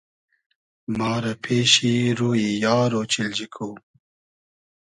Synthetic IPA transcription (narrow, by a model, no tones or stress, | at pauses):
mɑːɾapʰeʃiɾuːjijɑːɾot͡ʃild͡ʒikʰu